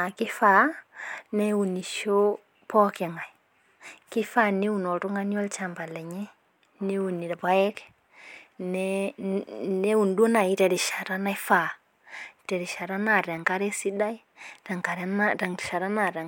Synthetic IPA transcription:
a˨ki˦fa˨ | nɛ˦wu˨ni˨ʃo˦ | pɔ˦ke˨ŋa˨i˨ | ki˦fa˦ne˦wu˨nɔ˨tu˦ŋa˦ni˦ɔ˦lt͡ʃa˨mba˨lɛ˨ɲɛ˦ | ne˦u˨ni˨ɾpa˦jɛ˦k | nɛ | ne˦wu˨ndu˦na˨ji˦tɛ˨ɾi˨ʃa˨ɾa˦na˦jfa˨ | tɛ˨ɾi˨ʃa˨ɾa˦na˨ɾɛ˨ŋka˦ɾɛ˦si˦da˦i˦ | ɾɛ˨ŋka˨ɾɛ˦naɾɛ˨ŋ˨ʃa˨ɾa˦na˨ɾɛ˨

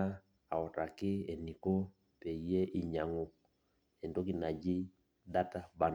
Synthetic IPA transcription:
a˦ | a˨ɔ˨ta˨kɪ˦e˨ni˨ko˦ | pe˨i˨je˦ʔi˨ɲa˨ŋɔ˦ | ɛ˨ndo˦k̬i˨na˨d͡ʒɪ˦ | da˦ta˦ba˨n

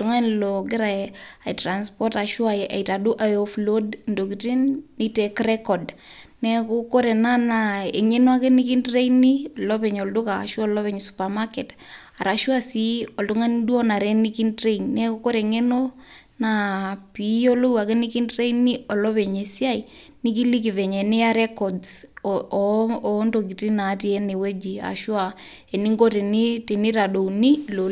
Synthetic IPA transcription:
tu˨ŋa˦nloɡɪ˦ɾa˨a˨i˨tɾa˨nspɔ˦ta˨ʃwa˨jʔa̰˨ita˨du˦ʔa˨joflo˦dndo˨kiti˦nːi˦te˨kɾɛ˦kɔdnɛ˦ku˦ko˦ɾɛ˨na˦na˨e˨ŋe˦no˦a˦ke˦ni˦ki˦ntɾe˦ini˦lɔ˦βe˨ɲo˨ldo˦ka̰˨ʃu˦ɔ˦lɔ˦βɛɲsupa˨make˨t | a˨ɾa˨ʃwa˦si˦ɔ˨ldu˦ŋa˦ndwɔ˦na˨ɾɛ˦ni˦ki˦ndɾe˦ɲnɛ˦kokɔ˦ɾɛ˨ŋe˦no˦ | na˨pi˨˦jɔ˦lo˦wa˨kɛ˦ni˦ki˦ndɾe˦ini˦ɔ˨lɔ˦βɛ˨ɲe˨si˦a˦i | ni˦ki˦li˦k̬i˨vɛ˨ɲɛ˨ni˦a˦ɾɛ˦kɔds | ndok̬i˨ti˦na˨˦ti˦ɛ˦ne˨we˦d͡ʒi˨a̰˨ʃwa˨ | ɛ˨ni˦ŋɡo˦te˨ni˦ti˨ni˦ta˨do˨ni˦lo˨

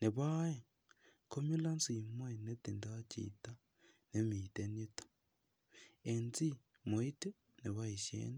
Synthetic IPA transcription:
ne˨βa˦je˨ | ko˦mi˦la˦nsi˨mwe˦ne˦ti˨nda˦t͡ʃḭta˦ | ne˨˦mi˨te˦ni˦tḁ | e˨nt͡si˦ | mo˨i˦te˦ | ne˨βa˦i˨ʃḛː˦ni

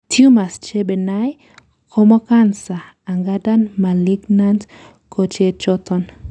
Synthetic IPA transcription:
tʰju˦ma˨st͡ʃe˦be˨na˦j | kʰɔ˦mɔ˦ka˦nsaː˨ | ŋɡa˦da˦nma˨li˦ɡna˦nt | kʰo˨t͡ʃe˦t͡ʃɔ˦tɔ˦n

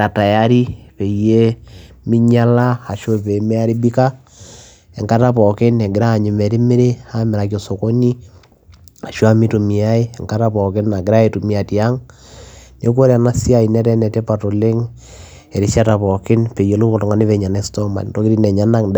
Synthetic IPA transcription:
a˨ta˨ja˦ɾi˦pe˨je˦mɪ˦ɲa˦la˦a˨ʃo˦˨pe˨mɛ˦a˦ɾi˦bi˦ka˦ | ɛ˨ŋka˦ta˦pɔ˨kɪ˦nɛ˨ɡɪ˨ɾaː˦˨ɲɪ˨mɛ˨ɾi˦mɪ˦ɾe˦a˦mɪ˨ɾa˨k̬o˨so˨ko˦ni˦ | a˨ʃo˦a˦mi˦tu˨mi˨a˦i˦ɛ˨ŋka˦ta˦pɔ˨kɪ˦na˨ɡɪ˦ɾa˦e˨tu˨mi˨a˨ti˨a˦ŋ | ne˦k̬o˦ɾa˨na˦si˦a˦˨i˨nɛ˦ɾɛ˦nɛ˨tɛ˦pa˨to˨le˦ŋ | ɛ˨ɾi˦sa˦ta˨pɔ˨kɪ˦npe˨je˦lu˦ko˨tɔ˨ŋa˨˦ni˦pɛ˨ɲa˨nɛ˦stɔ˦ma̰˨nto˦kɪ˦ɾi˦nɛ˨ɲa˦na˦ŋd

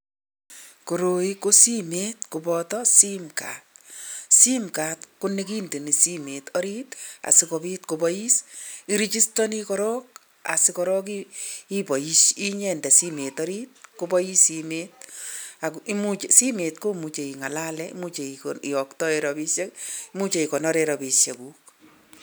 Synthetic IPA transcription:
ko˨ɾo˨i˦ko˦si˦metku˨bɔtɔsi˦mka̰ːtsi˦mka˨tkʊni˦k̬i˦nde˨ni˨si˦me˨tɔ˦ɾi˦ta̰˨sɪkopi˦tkobɔji˦si˨ɾi˦t͡ʃi˦stɔ˦nikɔɾɔːk̚ | a̰˨sɪkɔɾɔː˦k̬ii˦pɔ˨ji˦ʃi˦ɲɛ˦ndɛ˨sime˨tɔɾit̚kobɔ˦ji˦simet̚aki˦mu˦t͡ʃesi˦me˨t̚ko˦mu˨t͡ʃe˨i˨ŋa˨la˦lɛḭ˦mu˦t͡ʃe˨ikɔ˨ktɔ˦eɾɔpi˦sje˦ki˦mu˦t͡ʃe˨i˨kɔ˨nɔ˦ɾeɾɔpi˨sje˨ku˦k

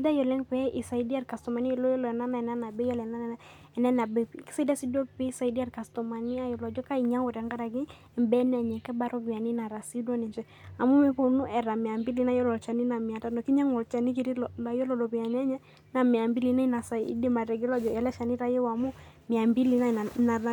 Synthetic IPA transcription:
si˦da˦jɔ˨lɛ˦ŋpɛ˦ʔi˨sa˨i˦di˦a˦ɾka˨stɔ˨ma˨ni˦˨lɔ˦jɔ˦lɔ˨ɛ˨na˦na˨ɛ˨na˦na˨bɛ˦jɔ˦lɛ˨na˦nɛ˨nɛ˦ | ɛ˨nɛ˦na˨bɛ˦ki̥˦sa˦i˦da˦si˦dɔ˦pi˦sa˨i˨di˦a˦ɾka˨stɔ˨ma˨ni˦a˦jɔ˨lɔ˨d͡ʒɔ˦ka˦i˨ɲa˦wɔ˨ɾɛ˨ŋɡa˦ɾa˨ɡɪ˦˨ | mbɛ˦n˦ɛ˨ɲɛ˨kɛ˦ba˦ɾɔ˦pi˨a˨ni˦na˨ɾa˨si˦dwɔ˦nɛ˨ɲd͡ʒɛ˦ | a˨mu˦mɛ˦po˨nu˦ʔɛ˨ɾa˨mɪ˨a˨mbi˦li˦na˦jɔ˦lɔ˨t͡ʃa˨ni˦na˨mɪ˨a˨ta˦nɔ˨ki˦ɲa˦ŋɔ˨lt͡ʃa˨ni˦ki˨ɾi˦lɔ˨la˨jɔ˦lɔ˨dɔ˨pi˨a˨ɲ˦ɛ˦ɲɛ˦ | na˨mɪ˨a˨mbi˦li˨˦na˦i˦na˨sa˨ḭ˦di˦ma˨ɾɛ˨ɡɛ˦lɔ˦d͡ʒɔ˨ɛ˨lɛ˦ʃa˨ni˦ɾa˦jɛ˦wa˨mu˦mɪ˨a˨mbi˦li˨˦n˦˨na˨

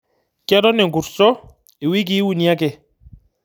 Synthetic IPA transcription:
kɛ˦ɾɔ˦nɛ˨ŋɡu˨ɾsɔ˦ | i˨wi˦ɡ̬i˦wu˨ni˨a˦kɛ˨

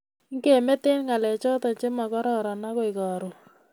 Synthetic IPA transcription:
ŋ˦ke˨me˦t̪e˦nŋa˨lɛ˨t͡ʃɔ˦t̪ɔ˨t͡ʃe˦ma˨kɔ˦ɾɔ˦ɾɔ˨na˦kɔ˦ɪ˨kɔ˨ɾʊ˨

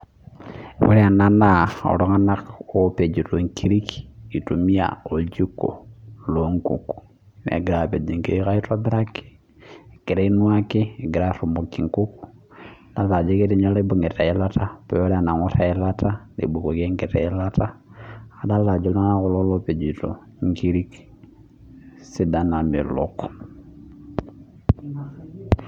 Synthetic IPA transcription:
wḛ˦ɾɛ˦a˨na˦na˦˨o̰˨lo˦ŋa˦na˦ko˦pe˨d͡ʒi˨to˨ŋkʰi˦ɾi˦ki˨to˨mi˦a̰˨o˨ld͡ʒi˦kːo̰˨lo˨˦ŋkṵ˨k | nḛ˨ɡi˨ɾa˨pe˨d͡ʒi˨ŋke˦i˦ka˦i˦to˦bi˦ɾa˦ki̥˦˨ | ki˨ɾe˦i˦nu˦a˦ki˦˨ɡi˨ɾa˦ɾu˨mo˨kːi˨ŋku˦k | da˨˦la˨d͡ʒɛ˦kɛ˦ɾi˦ɲa˦lɛ˦bu˨ŋɡɛ˨ta˨ɛ˦la˦ta˦pɛ˨wɛ˦la˦˨na˨ŋɔ˦ɾa˨ɛla˦ta˦lḭ˨bu˨ko˨ke˦ŋɡɛ˨tɛ̰˨ɛ˦la˦ta˦a˦da˦la˨d͡ʒɔ˦la˦na˦ɣu˦lɔ˦lɔ˦pe˨d͡ʒi˨to̰˨ | ŋki˦ɾi˦k | si˦da˨na˨mḭ˨lɔ̰˦k

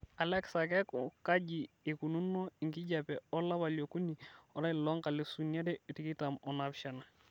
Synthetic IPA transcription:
a˨lɛ˦ksa˨kɛ˦kʊ˨ka˦d͡ʒi˨e˨ku˨nu˦nːɔ˦ɪ˨ŋɡɪ˦d͡ʒa˨pɛ˨ɔ˦la˦βa˨ljo˨ku˦ni˨ɔ˦ɾa˦˨lɔ˦ŋka˨lɪ˨su˨nja˦dɛ˦ɔ˨ti˨˦kɪ˦ta˨mɔ˨na˨bʃa˨na˨

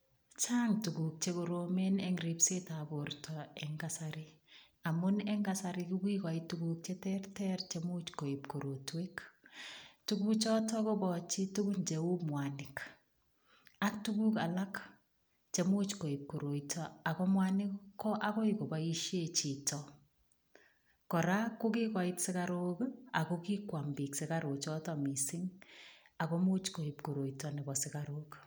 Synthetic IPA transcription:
t͡ʃaːŋtuɡu˨k̚t͡ʃeko˨ɾomenɛŋɾipsetabortʰɔɛŋɡasaɾɪ | amʊnɛ˦ŋɡasaɾɪkukika˨ituɡuk̚t͡ʃetɛrtɛɾt͡ʃemut͡ʃko˨ip̚ko˨ɾotwek | tuɡukt͡ʃɔtɔko˦bɔt͡ʃi˦tu˦ɡu˦nt͡ʃeu˦mwanɪk | a˦k̚tu˦ku˦ka˨la˦k | t͡ʃe˦mo˦t͡ʃko˨i˨p̚ko˨ɾo˨itʰɔ˦a˨kɔ˦mwa˦nɪ˦kkɔ˦ʔa˦kɔ˦i˨ko˨ba˦i˦ʃje˦t͡ʃi˨tɔ˨ | kɔ˨ɾa˦ko˦ki˦kwa˨i˦tsɪ˦ka˦ɾo˦ka˨ko˦ki˦kwa˨mbi˨ksɪ˦ka˦ɾo˨t͡ʃɔ˦tɔ˨mi˨sɪ˦ŋ | a˨kɔ˦mo˦t͡ʃko˨i˨p̚ko˨ɾo˨itɔ˨nɪ˨bɔ˨sɪ˦ka˨ɾo˦k

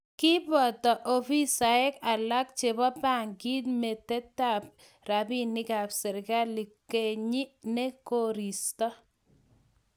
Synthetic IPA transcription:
kɪ˦bɔ˨tɔ˨ʔo˨fi˦sa˨ɛ˦ka˨la˦k̚t͡ʃe˨bɔ˦pa˦˨ŋɡi˦t̪me˨tɛ˦ta˨p̚ | ɾa˨bi˦nɪ˦ka˨psɛ˨ɾɪka˦li˨ke˨ɲi˦ne˦ko˦ɾi˨st̪ɔ˦

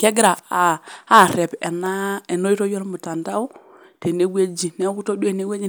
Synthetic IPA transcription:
ke˦ɡɾaː˨˦˨ | ɾɛ˨pe˨na˦e˨no˦i˦to˦jo˦lmu˨ta˨nta˦u˦ | te˨ne˦wʷe˦d͡ʒi˨ne˦ku˦to˦du˦e˦˨ne˦we˦d͡ʒi˦

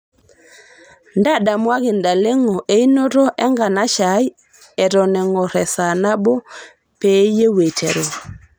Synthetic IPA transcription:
nda˦˨da˨mwa˦ɣi˨nda˨le˦ŋɔ˨ʔe˦i˦no˦ɾɔ˦ʔɛ˦ŋɡa˨na˦ʃa˨˦j | ɛ˨ɾɔ˨nɛ˨ŋɔ˨ɾɛ˨sa˨na˦bɔ˦ | pe˨˦je˦we˨tʰe˨ɾo˨

